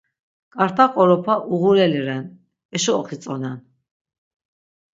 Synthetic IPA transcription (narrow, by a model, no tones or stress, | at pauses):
kʼaɾt̪ʰaqʼɔɾɔpʰaʔuɣuɾɛliɾɛn | ɛʃɔːχit͡s̪ʼɔnan